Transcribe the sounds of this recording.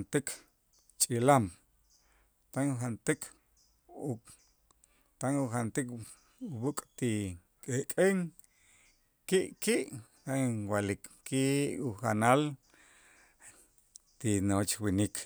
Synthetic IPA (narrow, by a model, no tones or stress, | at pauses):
nt̪ik | t͡ʃʼilam | t̪aŋxant̪ikʰ | u | t̪aŋuxant̪ik | wukʼt̪i | kʼekʼeŋ | kiʔkiʔ | t̪aŋwalikkiʔuxanal | t̪inot͡ʃwinikʰ